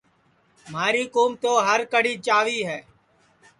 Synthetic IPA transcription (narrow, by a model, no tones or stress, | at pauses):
maːɾiːkuːmt̪oːɦəɾkəɽiːt͡ʃaːʋiːɦɛː